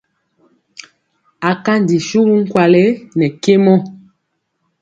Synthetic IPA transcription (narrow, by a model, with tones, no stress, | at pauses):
a˨ka˦n˨di˨ʃu˦ɣu˦ŋ̩˦kwa˨le˦nɛ˨ke˦mɔ˦